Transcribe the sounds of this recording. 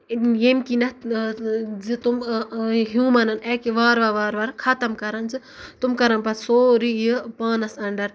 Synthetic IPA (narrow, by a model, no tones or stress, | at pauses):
jemkinɐ | zit̪umɦjũːmɐnɐneːkeʋaːɾʋɐʋaːɾʋɐɾkʰɐt̪ɐmkɐɾɐnzɨ | t̪umkɐɾɐnpɐt̪soːɾijipaːnɐsɐɳɖɐɾ